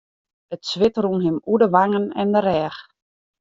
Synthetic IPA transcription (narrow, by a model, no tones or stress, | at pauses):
ətsʋɪtrunɦɪmudəʋaŋənɛ̰ndərɛːx